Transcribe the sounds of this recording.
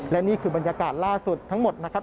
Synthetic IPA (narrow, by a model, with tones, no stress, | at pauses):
lɛ˦˥niː˥˩kʰɯː˧ba˧nja˧kaː˨˩t̪̚laː˥˩su˨˩t̪ʰːa˦˥ŋmo˨˩t̪̚na˦˥kʰa˦˥